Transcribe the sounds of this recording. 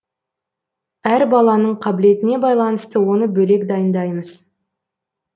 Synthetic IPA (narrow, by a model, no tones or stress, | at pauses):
æɾbɑlˠɑnəɴqʰɑbɪle̞t̪ɪne̞bɑjlˠɑnəst̪əwo̞nəbɵle̞kd̪ɑjənd̪ɑjməz̥